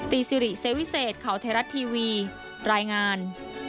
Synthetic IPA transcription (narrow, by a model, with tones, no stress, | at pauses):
t̪iː˧˩si˧ɾi˨˩se˦˥wi˦˥seː˨˩t̪̚kʰa˩˦wt̪ʰaː˧˥ɾa˦˥t̪ʰːiː˧wiː˧ | ɾaː˧jŋaː˧n